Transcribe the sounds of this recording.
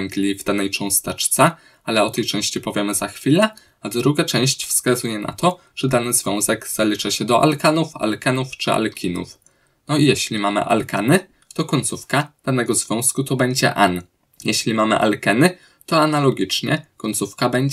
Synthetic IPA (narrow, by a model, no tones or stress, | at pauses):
ŋɡlʲivd̪anɛjt͡ʂɔ̃w̃st̪ɛt͡ʂt̪sɛ | alɛɔt̪ɛjt͡ʂɛ̃w̃ɕt͡ɕipɔvʲjɛmɘzaxfʲilɛ | ad̪ɾuɡat͡ʂɛ̃w̃ɕt͡ɕfskazujɛna̰t̪ɔ | ʐ̥ɛd̪anɘzvʲjɔ̃w̃zɛɡz̥alʲit͡ʂaɕɛd̪ɔʔa̰lkanufa̰lkɛnuft͡ʂɘa̰lkʲʰinṵf | nɔijɛɕlʲimamɘ̰ʔa̰lkanɘ | t̪ɔkɔɲʲt̪sufkad̪̥anɛɡɔzvʲjɔ̃w̃skut̪ɔbɛɲd͡ʑɛ̰ʔan | jɛɕlʲimamɘ̰ʔa̰lkɛnɘ | t̪ɔanalɔɡʲit͡ʂɲɛ̰kɔɲʲt̪sufkabɛɲd͡ʑ